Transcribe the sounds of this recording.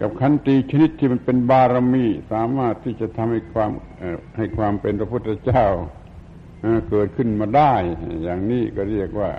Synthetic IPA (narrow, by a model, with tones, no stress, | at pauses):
ka˧p̚kʰa˧˦˥nt̪iː˧t͡ɕʰa˧ni˧˥t̪ʰːiː˧˩ma˧˥˨npe˧nbaː˧ɾa˧miː˧˥˩saː˨˦maː˧˩t̪ʰːiː˧˩t͡ɕa˧˨t̪ʰa˧mha˧˩jkʰwaː˧˥mː˧˩ | ha˧˩jkʰwaː˧mpe˧npʰa˧pʰu˧˩t̪ʰːa˧t͡ɕaː˧˩˨w | haː˧˩kɤː˨˩t̪̚kʰɯ˧˩˨nmaː˧da˧˩jjaː˨˩ŋniː˧˥˩kɔ˧˩ɾi˧˥˩ək̚waː˧˩